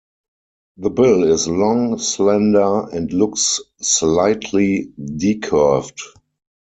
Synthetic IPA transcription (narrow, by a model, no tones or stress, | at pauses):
ðəbɪlɪslɔ̃ŋslɛ̃ndə˞ɛ̃ntlʊksː | laɪtʰlidikʰɜ˞ft